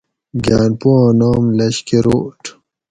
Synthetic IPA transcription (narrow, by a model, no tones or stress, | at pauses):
ɡaːnpoãːnaːmlɐɕkeɾoʈʰ